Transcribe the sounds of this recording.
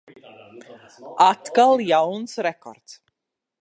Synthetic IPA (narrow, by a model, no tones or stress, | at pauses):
at̪kalˠjawnsɾɛkɔ̰ɾt̪s